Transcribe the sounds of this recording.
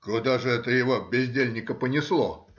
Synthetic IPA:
kʊd̪aʐɨɛt̪əjɪvobʲɪzʲdʲelʲnʲɪkəpənʲɪslˠo̰

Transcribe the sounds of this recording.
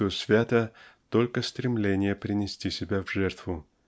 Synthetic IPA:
jʊsvʲat̪ət̪olʲkəst̪ɾʲɪmlʲenʲɪjəpɾʲɪnʲɪsʲtʲisʲɪbʲavʐɛrt̪vʊ

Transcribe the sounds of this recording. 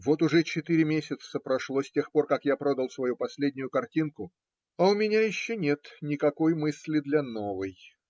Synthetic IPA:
vo̞t̪ʊʐɛt͡ɕɪt̪iɾʲɪmʲesʲɪt̪səpɾɐʂlˠosʲtʲe̞xpo̞rkakjapɾo̞d̪əlˠsvɐjupɐsʲlʲedʲnʲʊjʊkɐrtʲinkʊ | ɐʊmʲɪnʲajɪɕːonʲet̪nʲɪkɐko̞jmɨsʲlʲɪd̪lʲɐno̞vɨj

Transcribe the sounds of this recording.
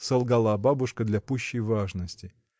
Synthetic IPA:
sɐlˠɡalˠababʊʂkəd̪lʲɐpuɕːəjvaʐnəsʲtʲɪ

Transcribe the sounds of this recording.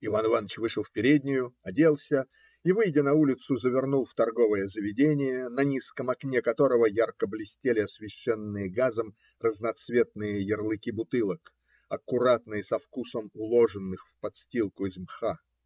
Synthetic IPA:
ɪvanɪvanːət͡ɕvɨʂəlˠfpʲɪɾʲedʲnʲɪjʊɐdʲelˠsʲə | ivɨjdʲɪnɐulʲɪt̪sʊzəvʲɪrnulˠft̪ɐrɡo̞vəjəzəvʲɪdʲenʲɪjənɐnʲiskəmɐknʲekɐt̪o̞ɾəvəjarkəblʲɪsʲtʲelʲɪɐsvʲɪɕːenːɨjəɡazəm | rəznɐt̪svʲe̞t̪̚nɨjəjɪrlˠɨkʲibʊt̪ɨlˠək | ɐkʊɾat̪nɨjəsɐfkusəmʊlˠo̞ʐɨnːɨxfpɐt̪sʲtʲilˠkʊɪzmxa

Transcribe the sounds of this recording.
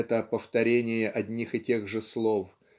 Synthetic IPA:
ɛt̪əpəft̪ɐɾʲenʲɪjəʔɐd̪ʲnʲixɪtʲe̞ɣʐɨslˠo̞f

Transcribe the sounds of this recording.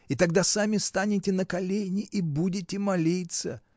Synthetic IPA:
it̪ɐɡ̚d̪asamʲɪst̪anʲɪtʲɪnəkɐlʲenʲɪʔibudʲɪtʲɪmɐlʲit̪sə

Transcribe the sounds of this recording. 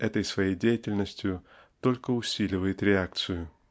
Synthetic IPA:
ɛt̪əjsvɐjejdʲejɪtʲɪlʲnəsʲtʲjʊ | t̪o̞lʲkəʊsʲilʲɪvəjɪt̪ɾʲɪak̚t̪sɨjʊ

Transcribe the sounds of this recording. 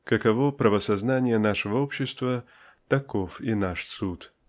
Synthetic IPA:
kəkɐvopɾəvəsɐznanʲɪjənaʂəvəopɕːɪst̪və | t̪ɐkofinaʂsut̪

